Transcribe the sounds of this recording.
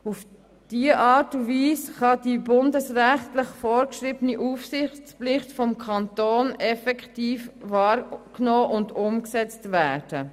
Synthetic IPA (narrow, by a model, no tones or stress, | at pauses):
uf | d̥iːəʔɑːtudviːsχɑd̥ibʊndəsræχtləχfɔːɾkʃɾɪbəniʔuːfsɪχtt͡splɪχtfɔmkʰɑnt̪oːnɛfɛkχtiːfʋɑːɾknoːʔʊndʊmksɛt͡stvæːd̥ə